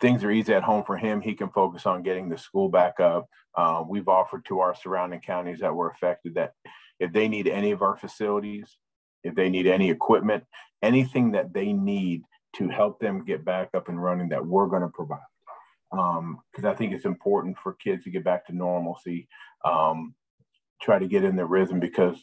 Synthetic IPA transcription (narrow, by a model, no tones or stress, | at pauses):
θɪ̃ŋzə˞iziɨt̚hõʊ̃ɱfə˞ɪ̃mikɨ̃nfoʊkɨsn̩ɡɛɾɪ̃ŋðɨskulˠbækʌp̚ | ʔʌwivɔfə˞d̚tʰəaə˞sə˞ãʊ̃ndɪ̃ŋkʰãʊ̃ñizðɨt̚wə˞ɨfɛk̚tɨd̪̚ðɨɾ | ɨfðeɪniɾɛñiʌvə˞fɨsɪlˠəɾiz̥ | ɨfðeɪniɾɛñiɨkʰw̥ɪp̚mɨ̃nt̚ɛñiθɪ̃ŋðɨt̪̚ðeɪnid̚ | tʰɨhɛlˠp̚ðɨ̃mɡɛt̚b̥ækʌpɨ̃n̩ɹʌnɪ̃ŋðɨ̰t̚wɪɹɡʌñəpʰɹ̥əvaɪd̥̚ | ʌ̃mkʰʌzaɪθɪ̃ŋkɨtsɨ̃mpʰɔɹʔn̩tfə˞kʰɪdz̥tʰɨɡɛt̚b̥æk̚tʰɨnɔɹml̩ˠsiʔʌ̃m | tʰɹ̥aɪɾɨɡɛɾɨ̃nðɨɹɪðm̩bɨkʰʌz̥